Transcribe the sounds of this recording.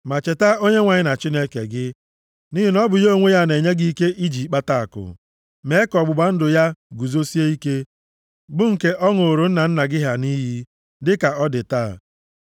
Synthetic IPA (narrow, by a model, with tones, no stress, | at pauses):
ma˨t͡ʃe˨ta˦o˦ɲe˦ŋʷa˨ɲɪ˦na˨t͡ʃi˦ne˦ke˨ɡɪ˦ | ni˦ɦi˨nɔ˦bʊ˨jo˦˨ŋʷe˦ja˦ne˨ɲe˦ɡi˦i˦ke˦ʔi˦d͡ʒi˨k͡pa˦ta˦a̰˨kʊ̰˨ | me˦kɔ˨ɡ͡bʊ˨ɡ͡ba˦n̩˦dʊ˨ja˦ɡu˨zo˦si˦e˦i˦ke˦ | ɡ͡bʊ˦ŋ̩˨ke˦ʔɔ˦ŋo˨ɾo˨n̩˦na˨n̩˦na˨ɡɪ˦ɦa˨ni˦ɦi˦ | dɪ˦ka˨ɔ˦dɪ˨ta̰ː˦˨